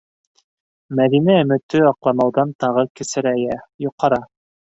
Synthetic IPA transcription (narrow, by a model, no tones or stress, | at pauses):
mæðinæɵ̆mɘ̆t̪ːɵɑqlˠɑnɑwðɑnt̪ɑʁɤkɘ̆sɘ̆ɾæjæjoqːɑɾɑ